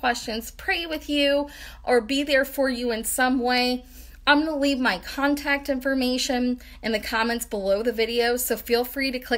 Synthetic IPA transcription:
w̥ɛst͡ʃɨ̃nz̥pʰɹ̥eɪwɨðjʉʔə˞biðə˞fə˞jɨɨ̃nsʌ̃mweɪ | ãɪ̃mnəlivmaɪkʰɑ̃ntʰæk̚tɪ̃ɱfə˞meɪʃɨ̃n | ɨ̃nðɨkʰɑmɛ̃ntsb̥əloʊðɨvɪɾioʊ̥soʊfilˠfɹiɾɨkʰl̥ɪ

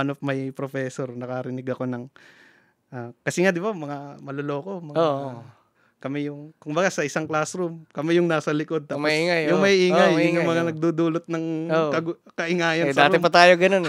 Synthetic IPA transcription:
ɐnop̚mɐjpɾofɛːsoɾnɐkɐɾɪnɪɡɐko̞nɐŋ | ʔaːkɐsɛŋad̪ɪbamɐŋamɐloloːko̞mɐo | kɐmɛjʊŋkʊmbɐɡasɐʔɪsaŋklasɾʊmkɐmɛjʊŋnaːsɐlɪko̞d̪̚t̪aːpmɐiːŋajjʊŋmɐjʔiːŋajʊjʊŋmɐŋanɐɡ̚d̪uːd̪uːlot̪̚nɐŋokɐɡ | kɐʔɪŋaːjɐndsɐaːɾt̪empɐt̪aːjoɡɐnon

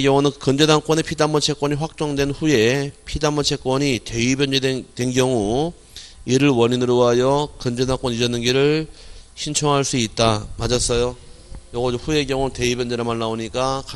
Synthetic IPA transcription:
ɡjʌŋunɯnkɯnd͡ʑe̞daŋk͈wʌne̞pʰidamːʌt͡ɕʰe̞k͈wʌɲiɸwak̚t͡ɕ͈ʌŋdwe̞nɸuje̞pʰidamːʌt͡ɕʰe̞k͈wʌɲite̞ibjʌnd͡ʑetwenɡjʌŋu | iɾɯɭwʌɲinɯɾoajʌkɯnd͡ʑe̞daŋk͈wʌnid͡ʑʌnːɯnɡiɾɯɭɕʰint͡ɕʰʌŋɦaɭs͈uit̚t͈amad͡ʑas͈ʌjo | jʌɡʌd͡ʑoɸue̞ɡjʌŋute̞ibjʌnd͡ʑeɾamanːaoɲik͈aka

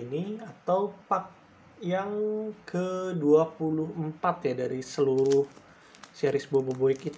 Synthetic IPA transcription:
niat̪awpak̚ | jaŋkʰəduapuluɦəmpat̪jadaɾisəluɾʊh | siaɾisboboboikit̪

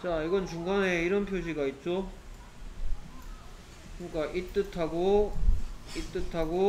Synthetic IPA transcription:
t͡ɕaiɡʌnt͡ɕuŋɡaneiɾʌnpʰjoɕʰiɡait̚t͡ɕ͈o | kɯɲik͈aʔit͈ɯtʰaɡo | it͈ɯtʰaɡo

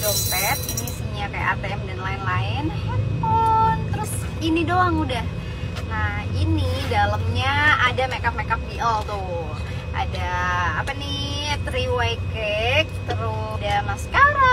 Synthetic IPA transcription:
dɔpɛt̪̚disiɲakaja̰ʔa̰rt̪eɛmdɛnlaɪnlaɪnhɛpɔnt̪əɾʊs | inidoaŋudah | nahinidaləmɲaadamekap̚mekap̚diʔəlt̪ʊ | ʔa̰daːpani | t̪ɾiwakɛk̚t̪əɾʊdamasə̥kaɾa

